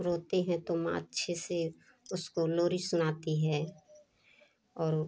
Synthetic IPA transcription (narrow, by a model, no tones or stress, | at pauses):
ɾoːt̪eɦɛ̃t̪oma̰ːt̪ːʃʰese | ʊskoloːɾisʊnaːt̪iɦɛː | ɔːɾ